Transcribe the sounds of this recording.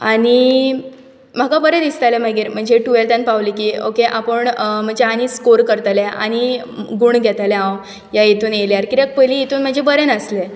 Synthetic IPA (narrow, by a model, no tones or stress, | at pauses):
aɽi | m̤akapəɾed̪ist̪ajlem̤əɡiːɾm̤əɳd͡ʑeʈuelt̪anpaʋlikiːo̰keʔapəɳm̤əɳd͡zeañiskoɾkəɾt̪alea̰ñi | ɡuːɳɡʱɛt̪aleɦãw | jajit̪uːneljaɾkiɾjak̚pəliit̪uːnm̤əɳd͡ʑebəɾenəsle